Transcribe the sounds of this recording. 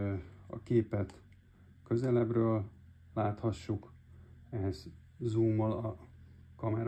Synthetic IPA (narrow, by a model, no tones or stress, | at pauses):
ɒ̰keːpɛt̪ | kø̞zɛlɛbrøːlː | aːt̪hɒʃːuk | ɛɦɛz̥ | zuːmːolɒkɒmɛɾ